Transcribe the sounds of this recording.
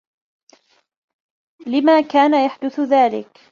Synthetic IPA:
lɪmaːkaːnajaħd̪ʊθʊðaːlɪ̰k

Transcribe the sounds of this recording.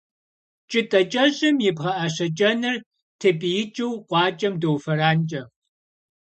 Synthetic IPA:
t͡ʃʼɨtʼɐt͡ʃʼɐʑʼɪmjɪpʁɐʔɐɕɐt͡ʃʼɐnɨr | tʰepʼijɪt͡ʃʼɨwqʷɑːt͡ʃʼɐmdowfɐraːnt͡ʃʼɐ

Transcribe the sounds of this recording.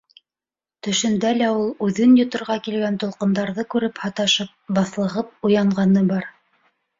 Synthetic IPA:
t̪ɵ̆ʃɘ̆nd̪ælæulˠʉðɘnjŏt̪ŏɾʁɑkilɡænt̪ŏlˠqɤ̆nd̪ɑɾðɤkʉɾɘphɑt̪ɑʃɤp̚bɑθlˠɤ̆ʁɤp̚ujɑɴʁɑnɤbɑɾ

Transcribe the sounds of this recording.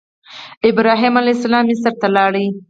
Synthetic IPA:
ɪbɾɑɦimalajsalɑmisaɾt̪alɑɽi

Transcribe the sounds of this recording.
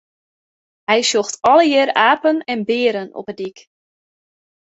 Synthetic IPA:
hɛjsoxtɔləjɪːɾaːpənɛnbɪːəɾənɔ̰pədik

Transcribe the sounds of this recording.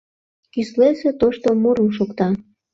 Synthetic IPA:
kysleset̪oʃt̪omuɾuʃokt̪ɑ

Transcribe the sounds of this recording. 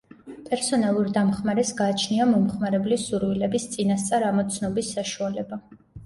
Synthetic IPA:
pʼɛɾsɔnalˠuɾd̪amχmaɾɛsɡaːt͡ʃʰniamɔmχmaɾɛblisuɾwilɛbist̪sʼinast̪sʼaɾamɔt̪sʰnɔbisːaʃualɛba

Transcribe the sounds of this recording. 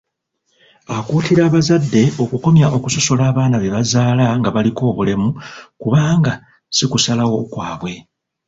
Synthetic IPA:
akuːtiɾaːβazadːe̞o̞kuko̞mjaʔo̞kuso̞so̞laːβaːnaβe̞βazaːlaŋɡaβaliko̞ːβule̞mukuβaːŋɡa | sikusalawo̞kwaːβwe̞

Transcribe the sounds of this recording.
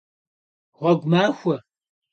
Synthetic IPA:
ʁʷɐɡʷmaːxʷɐ

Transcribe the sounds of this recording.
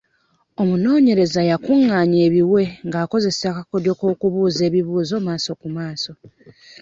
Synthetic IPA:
o̞muno̞ːɲe̞ɾe̞zajakuŋːaːɲe̞ːβiwe̞ŋɡaːko̞ze̞seakako̞djo̞ko̞ːkuβuːze̞ːβiβuːzo̞ːmaːso̞kumaːso̞

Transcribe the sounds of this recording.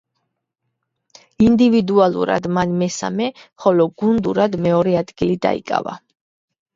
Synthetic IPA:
ind̪ivid̪ualˠṵɾa̰d̪manmɛsa̰mɛχɔlɔɡund̪uɾad̪mɛɔɾɛad̪ɡilid̪a̰ḭkʼa̰va̰

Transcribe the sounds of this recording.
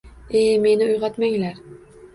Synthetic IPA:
eme̞nɪʊjʁɑt̪maŋlaɾ

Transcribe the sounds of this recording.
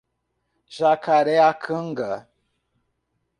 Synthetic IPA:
ʒakaɾɛakʰɨŋɡə

